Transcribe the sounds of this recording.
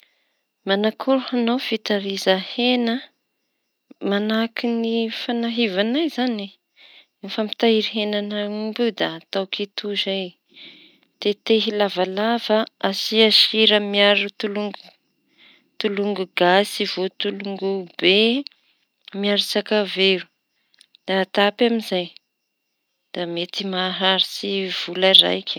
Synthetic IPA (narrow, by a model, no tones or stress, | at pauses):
manakʰoɾhanowfit̪aɾizahenə | manakinifanaɦivanajzani | famit̪aiɾiɦenanaumbud̪at̪awkit̪uzaj | t̪et̪eɦilavalavəasiaʃiɾəmiaɾut̪uluŋɡu | t̪uluŋɡuɡasivot̪uluŋɡube | miaɾisakaveɾu̥ | d̪̥at̪apaminzaj | d̪̥amet̪imaɦaɾisiv̥ulaɾa̰jkʲ